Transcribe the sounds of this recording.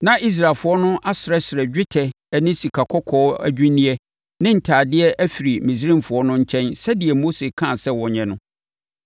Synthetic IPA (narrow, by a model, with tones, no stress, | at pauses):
nã˦ʔi˦s̬ɾaː˨lfʊ˦ɔ˦nʊ̃˦ʔa˦sɪ˨ɾɛ˦sɪ˨ɾɛ˨d͡ʑᶣɪ˦tʰɛ˨ | ɛ˨nɪ̃˦si˨kʰa˨kʰɔ˦kʰɔː˦æ̰˦d͡ʑᶣĩ˦nĩ˦ɛ˦ | nɪ̃˦n̩˨tʰaː˨dɪ˦ɛ˦ʔæ˦fi˨ɾi˨mĩ˨s̬ɾĩ˦mfʊ˨ɔ˦nʊ̃˦ɲ̩˦t͡ɕʰɛ̃˦nsɛ˦dɪ˨ɛ˨mo˦se˨kʰã˦˨sɛ˦wɔ̃˨ɲɛ̃˨nʊ̃˦